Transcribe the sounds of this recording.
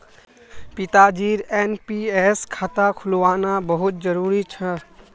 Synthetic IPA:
pɪt̪ad͡ʒiːɾeːnpieːskʰaːt̪akʰʊlʋaːnabəɦʊt̪̚d͡ʒəɾuːɾit͡ʃʰɛ

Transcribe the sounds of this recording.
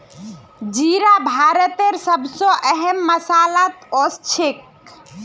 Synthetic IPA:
d͡ʒiɾabʱaɾət̪eɾsəbsɔ̃ʔɛɦɛmːəsalat̪ost͡ʃʰek

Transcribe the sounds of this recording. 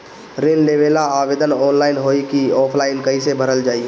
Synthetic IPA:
ɾenleːʋelaaːʋeːd̪ənɔːnlaːɪnɦoːikiɔːpʰlaːɪnkəisebʱəɾəld͡ʒaːi

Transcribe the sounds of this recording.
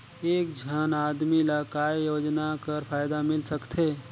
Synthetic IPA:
eːk̚d͡ʒʱənaːd̪milakaːjjoːd͡ʒnakəɾpʰaːjd̪amɪlsəkt̪ʰeː

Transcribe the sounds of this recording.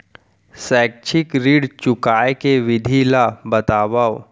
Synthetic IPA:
sɛːk̚t͡ʃʰɪkɾiːɽt͡ʃʊkaːekeʋɪd̪ʱilabɐt̪aːʋao

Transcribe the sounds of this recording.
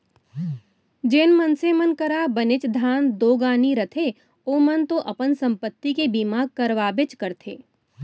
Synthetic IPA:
d͡ʒeːnmɐnsemənkɐɾabənɪt͡ʃd̪ʱaːnd̪oːɡaːniɾɐt̪ʰe | oːmənt̪oʔɐpənsɐ̃mpət̪ːikebiːmaːɡ̚kɐɾʋaːbɪt͡ʃkɐɾt̪ʰḛː

